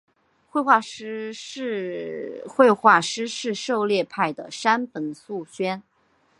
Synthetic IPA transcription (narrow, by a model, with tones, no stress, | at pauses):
xwe˥˧ɪxwa˥˧ʂ | xwe˥˧ɪxwa˥˩ʂɻ̩˥ʂɻ̩˥˧ʂo˥˧ʊljɛ˥˧pʰa˥˩ɪd̪ə˩ʂa˥npə˧˩nsu˥˩ɕɥɛ˥n